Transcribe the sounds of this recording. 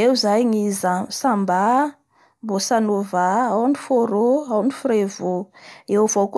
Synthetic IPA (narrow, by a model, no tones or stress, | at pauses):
ewzajŋizasamba | mbosanovaawnifoɾoawnifuɾevuewv̥ok